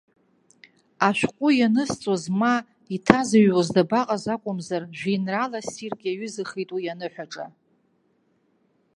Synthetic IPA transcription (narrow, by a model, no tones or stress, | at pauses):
aʃʷᶣkʷʼʊjanɨst͡sʼozma | itʰazaɥwozdabaqʼazakʷʼʊmzarʒʷᶣinralasirkʼaɥʏzɨχejtʼujanɨħʷᶣaʈ͡ʂʼa̰